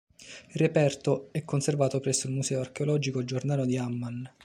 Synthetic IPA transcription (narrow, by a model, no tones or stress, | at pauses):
ilrːepɛrt̪oɛkːonservaːt̪opɾɛsːoilmusɛːoark̟eolɔːd͡ʒikod͡ʒornaːlod̪iamːan